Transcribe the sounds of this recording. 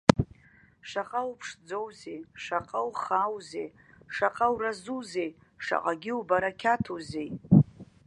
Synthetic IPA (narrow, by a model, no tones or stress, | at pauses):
ʂaqʼawupʰʂd͡zowzejʂaqʼawχaːwzej | ʂaqʼawrazuzej | ʂa̰qʼaɡʲɪubaɾakʲʰatʰozej